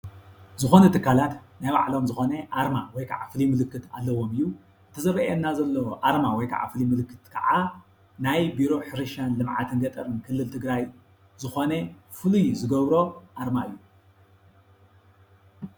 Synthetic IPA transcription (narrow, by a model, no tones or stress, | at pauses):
zɨxo̞nut̪ʰɨkʰːalat̪najβa̰ʕlo̞mzɨxo̞nɐʔaɾmawɔjkʰaʕafɨlimɨlɨkːɨt̪alːɐwo̞mɨjːu | ɨt̪ʰɐzɐɾɐʔenːazɐlːɐwʔaɾmawɔjkʰa̰ʕa̰fɨlimɨlɨkːɨt̪kʰɐ̰ʕa | najbiɾo̞ħɨɾɨʃanlɨmʕat̪ʰɨnɡɐt̪ʼɐɾɨnkʰɨlːɨlt̪ʰɨɡɾaj | zɨxo̞ne | fɨlujzɨɡɐβɾo̞ʔaɾmaɨjːu